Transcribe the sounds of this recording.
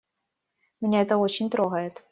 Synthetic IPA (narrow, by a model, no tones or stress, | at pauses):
mʲɪnʲeɛt̪əot͡ɕɪnʲt̪ɾoɣəjɪt̪